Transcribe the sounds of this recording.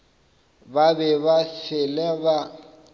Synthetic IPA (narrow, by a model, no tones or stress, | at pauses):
babɛβafɪlɛba